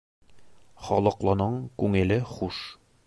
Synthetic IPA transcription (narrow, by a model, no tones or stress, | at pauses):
χɒlˠɤ̆qlˠɑnɤɴkʉŋɘ̆lɘχuʃ